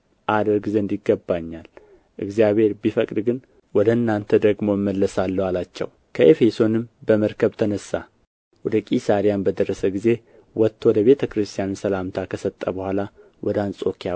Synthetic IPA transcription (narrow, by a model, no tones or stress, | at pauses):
ʔad̪əɾɡizend̪iɡːəbːaɲːal | ʔɨ̰ɡzijaβhe̞ɾbifəkʼd̪ɡɨn | wɔd̪əɨnːant̪ʰəd̪əɡmo̞jmːəlːəsalːəwalat͡ʃːɛ̰w | kʰəʔe̞fe̞so̞nɨmbəməɾkʰəβt̪ʰənəsːa̰ | wɔd̪əkʼisaɾijanbəd̪ərːəsəɡize̞ | wɔt̪ʰːwɔd̪əβe̞t̪ʰəkɾɨst̪ʰijanɨnsəlamt̪ʰakʰəsət̪ʼːəbəhʷala | wʔɔd̪əansʼo̞kʰija